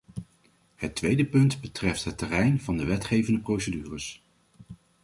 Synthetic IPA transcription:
hətʋejdəpɵntbətrɛftɦətːərɛjnvɑndəʋɛtχejvəndəprowsədyːrəs

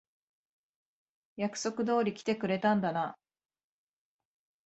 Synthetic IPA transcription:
jakɯ̟̥so̞kɯ̟d̪o̞ːɾʲikʲi̥t̪e̞kɯ̟ɾe̞t̪ãnd̪ana

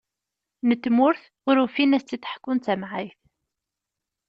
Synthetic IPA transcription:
nət̪ːmʊɾθ | ʁʊɾufinæst͡s̪ːiθə̥ħkːʊnt͡s̪æmʕajθ

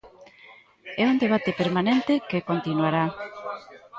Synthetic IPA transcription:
ɛund̪eβ̞at̪epeɾmanent̪ɪkekont̪inwaɾa

